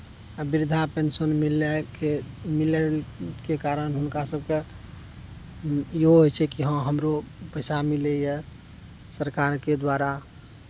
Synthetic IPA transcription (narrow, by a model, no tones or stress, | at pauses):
bɪɾd̪ʱapensənmilekemilekekaɾənɦʊnkasəb̚ke | jɦoɦot͡ʃʰɛkiɦə̃ɦəmɾopəɪsamilejɛ | səɾkaɾked̪waɾa